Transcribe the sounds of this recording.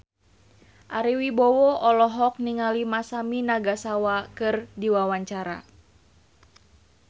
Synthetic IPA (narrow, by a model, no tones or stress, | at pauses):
ʔaɾiwibɔwɔɔlɔɦɔk̚niŋalimasaminaɡasawakɨrdiwawaɲt͡ʃaɾa̰